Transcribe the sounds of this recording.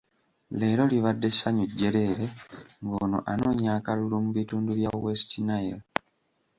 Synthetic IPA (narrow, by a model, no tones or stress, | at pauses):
le̞ːɾo̞liβadːe̞sːaɲuɟːe̞le̞ːɾe̞ŋɡoːno̰ʔano̞ːɲaːkalulumuβituːnduβjawestʰinajil